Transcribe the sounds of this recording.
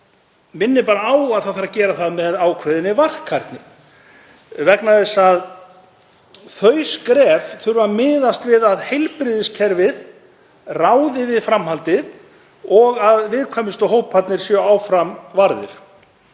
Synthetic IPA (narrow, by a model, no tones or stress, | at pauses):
mɪnːɪpaːɾaaːwaðθawθaɾacɛːɾaθaðmɛðaːwkʰvɛðɪnːɪvar̥kʰːaɾ̥t̪nɪ̥ | vɛknaðɛsað | θœɥskɾɛːvθʏɾvamɪːðast̪vɪðaðhejlpɾɪðɪscʰɛɾvɪð | raːwðɪvɪðfɾamhalt̪ɪð | ɔɣaðvɪðkʰvaːmɪst̪ɔɦoːwppʰːat̪nɪɾ̥sjœaːwfɾamvaɾðɪ̰ɾ̥